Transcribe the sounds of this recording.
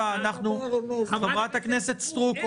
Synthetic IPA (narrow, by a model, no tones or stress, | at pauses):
aːnaχnuaχavʁat̪hakne̞se̞t̪st̪ʁup